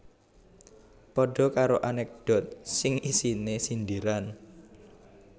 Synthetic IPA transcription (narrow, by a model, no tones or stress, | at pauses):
pɔɖ̥ɔ̤kaɾoʔanɛk̚d̪̥ɔ̤t̪̚sɪŋisinesind̪iɾan